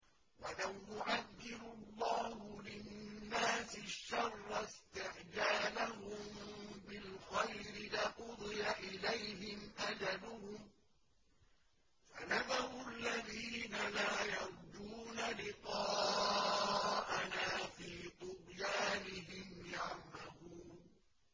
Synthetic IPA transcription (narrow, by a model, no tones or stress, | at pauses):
walamjʊʕaðːɪɾʊlˤːɑːhʊlɪnnːaːsɪʃːɑrˤːɑst̪ɪʕd͡ʒaːlaɦʊmbɪlxajɾɪlɪqʊd̪ˤɨjaʔɪlajhɪmʔad͡ʒalʊhʊm | fanaðaɾʊalːaðiːnalaːjɑɾˤd͡ʒuːnalɪqɑː | ʔanaːfiːt̪ˤʊqjaːnɪɦɪmjaʕmahu